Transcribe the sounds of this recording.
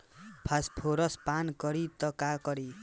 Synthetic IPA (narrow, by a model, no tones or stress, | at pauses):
pʰaspʰoɾʌspankʌɾit̪ʌkakʌɾi